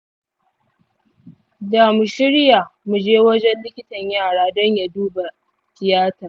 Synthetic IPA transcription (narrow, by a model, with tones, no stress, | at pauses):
da˨mu˨ʃɪ˦ɽja˨mu˨d͡ʒeː˦wɐ˦d͡ʒɛ˦nlɪ˦kʲɪ˦tɐ˨ɲjaː˦˨ɽaː˦dɔ˦ɲja˨duː˦ba˨ | tɪ˨jaː˦tɐ˨r